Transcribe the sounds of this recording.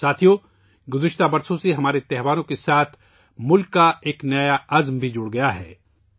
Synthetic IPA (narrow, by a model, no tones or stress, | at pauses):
saːt̪ʰijo | ɡʊzɪʃt̪abɐɾsõseɦɐmaːɾet̪ɛɦʋaːnõkesaːt̪ʰ | mʊlkːaeːknɐjaɐzmbʱid͡ʒʊɽɡɐjaɦɛ̰ː